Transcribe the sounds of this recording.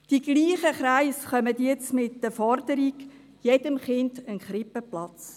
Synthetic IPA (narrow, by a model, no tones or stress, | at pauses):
d̥iɡliːχəχɾaɪsχœmədjɛt͡smɪt̚d̥əfɔɾd̥əɾiɡ | jed̥əmχɪndənχɾɪpəplɑt͡s